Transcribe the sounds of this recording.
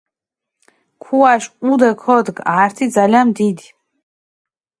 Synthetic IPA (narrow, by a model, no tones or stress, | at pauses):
kʰuaʃud̪ɛkʰɔd̪ɡaːɾt̪ʰid̪zalianmd̪id̪i